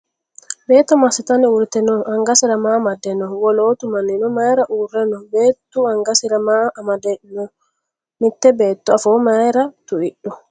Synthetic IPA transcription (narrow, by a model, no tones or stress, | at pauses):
bɛːt̪ːɔmasit̪aniuɾt̪ɛnɔaŋɡasiɾamamadɛnɔwɔloːt̪umaninɔmajɾaʔuɾɛnɔbeːt̪ːuaŋɡasiɾamaːmadɛnɔ | mit̪ːɛbɛːt̪ːuafɔmajɾat̪uiɗːɔ